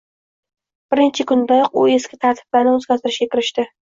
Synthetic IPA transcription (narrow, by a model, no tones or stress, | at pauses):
b̥ɪɾɪnt͡ʃʰɪkʰʊnd̪ajɒqʊe̞skʲʰɪt̪ʰaɾt̪ʰɪ̥b̥laɾnɪɵzɡʲazt̪ʰɪɾɪʃɡʲakʲɪɾɪʃt̪ɪ